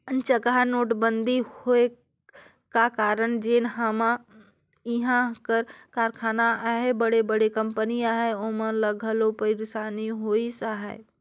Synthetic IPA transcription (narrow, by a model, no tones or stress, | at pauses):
ənt͡ʃəkəɦanoːʈbənd̪ʱihoe | kakaːɾənd͡ʒeːnɦəmã | iɦãkəɾkaːɾkʰaːnaaɦebəɽebəɽekəmpəniaɦeomələɡʱəlopəɪɾsaːniɦoːisaɦɛ̰